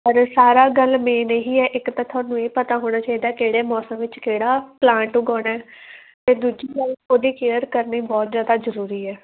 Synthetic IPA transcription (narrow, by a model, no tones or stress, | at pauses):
pəɾsaːɾaːɡəlmẽːneɦiːɛːʔɪkt̪ãːt̪ʰʊaːnũːeːpət̪aːɦoːɽ̃aːt͡ʃaːiːd̪aːkeːɽeːmɔːsə̃mʋɪt͡ʃkeːɽaːplãːɳʈuːɡɔːɽaɛː | t̪eːd̪uːd͡ʒiːɡəloːd̪iːkeːəɾkəɾniːbɔːt̪zjaːd̪aːzəɾuːɾiːɛː